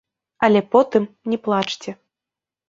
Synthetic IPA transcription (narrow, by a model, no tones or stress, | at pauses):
ɐlʲɛpɔt̪ɨm | nʲɛplˠat͡ʂt͡sʲɛ